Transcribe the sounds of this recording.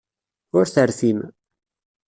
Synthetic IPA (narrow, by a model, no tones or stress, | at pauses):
ʊɾθəɾθim